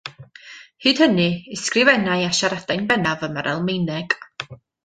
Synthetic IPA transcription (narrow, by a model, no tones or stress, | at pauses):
hɨːd̥hənɨɪskrɪvɛnajaʃaɾad̥ajnbɛnavəmaɾʔɛ̰lˠmejnɛɡ̥